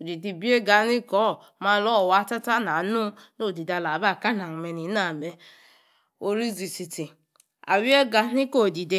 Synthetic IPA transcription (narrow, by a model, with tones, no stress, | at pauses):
o˨di˨di˨bi˦e˦ɡa˨˦ni˦kɔ˦˨ | ma˦lɔ˦˨wa˨˦ta˦ta˦na˨nu˦no˦˨di˨da˨la˨ba˦˨ka˦na˨ŋ̩˨me˨ni˨˦na˨me˦ | o˦ɾi˦zi˨si˨ti˨ | a̰˨wi˦e˦ɡa˨n˦i˦ko˦˨di˨de˦